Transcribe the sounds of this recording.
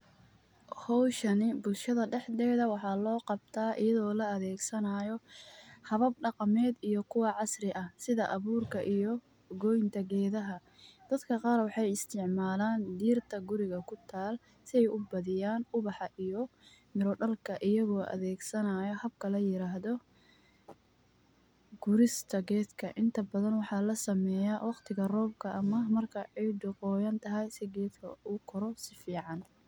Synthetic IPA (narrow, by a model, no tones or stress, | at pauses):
hɔwʃɐnɪbʊlʃɐðɐɖɛħd̪ɛːðɐwɑħɑːlɔːqɑbt̪ʰaːʔɪjɐðɔːlɐɐðɛːɡsɐnaːjɔhɐβɐb̚ɖɑqɑmɛːd̪ijɔkʰʊwɑʕɑsrɪʔɐsɪðɐʔɐβuːrkʰɐʔijɔ | ɡɔjnt̪ʰɐɡɛːðɐɦɐ | d̪̥ɐd̪kʰɐqɑːɾwɑħɑjɪst̪ʰɪʕmaːlaːnd̪iːrt̪ʰɐɡʊɾɪɣɐkʰʊt̪ʰaːl | sɪɛjʔʊbɐðɪjaːnʊβɑħɑʔijɔ | mɪɾɔɖɐlkʰɐʔɪjɐɣɔːʔɐ̰ðɛːɡsɐnaːjɐhɐb̚kʰɐlɐjɪɾaːɦðɔ | ɡ̥ʊɾɪst̪ʰɐɡɛːd̪kʰɐʔɪnt̪ʰɐbɐðɐnwɑħɑːlɐsɐmɛːjaːwɑqt̪ʰɪɣɐrɔːb̚kʰɐʔɐmɐmɐrkʰɐʕɛɖʊqɔːjɐnt̪ʰɐɦɐjsɪɡɛːd̪kʰɐ̰ʊkʰɔɾɔsɪfiːʕɑn